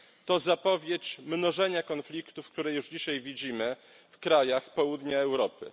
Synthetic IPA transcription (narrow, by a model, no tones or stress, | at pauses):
t̪ɔzapɔvʲjet͡ɕmnɔʐɛɲakɔnflʲikt̪ufk̚t̪uɾɛjuʐd͡ʑiɕajvʲid͡ʑimɘ | fkɾajaxpɔwud̪ɲaɛwɾɔpɘ̰